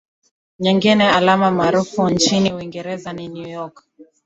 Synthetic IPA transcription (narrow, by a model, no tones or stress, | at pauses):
ɲɛŋɡinɛalamamaːɾufunt͡ʃiniuiŋɡɛɾɛzaninujɔk